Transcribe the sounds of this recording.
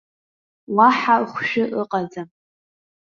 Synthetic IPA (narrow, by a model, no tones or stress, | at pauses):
waħaχʷʃᶣʊʔəqʼad͡zam